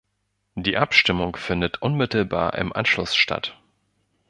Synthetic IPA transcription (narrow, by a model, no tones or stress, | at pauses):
d̥iːʔapʃtɪmʊŋfɪndətʔʊnmɪtl̩ba̰ːɐʔɪ̰mʔa̰nʃlʊsʃtʰa̰t